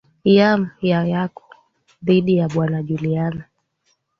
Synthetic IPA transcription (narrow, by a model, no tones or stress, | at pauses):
jam̩jajakɔ̥ | ðiɗijaɓwanaʄuliana